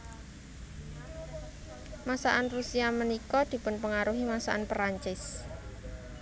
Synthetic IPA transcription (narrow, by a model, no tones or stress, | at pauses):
masaʔanrusiamənikɔd̪̥i̤pʊnpəŋaɾuɦimasaʔanpɾaɲt͡ʃɪs